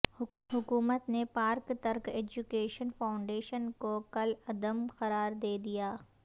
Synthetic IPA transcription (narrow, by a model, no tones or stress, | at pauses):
ɦʊkuːmət̪nepaːɾkt̪ɐɾkeːd͡ʒukeːʃənfaːʊ̃ɳɖeːʃənkokɐlɐd̪əmxɐɾaːɾd̪eːd̪ijaː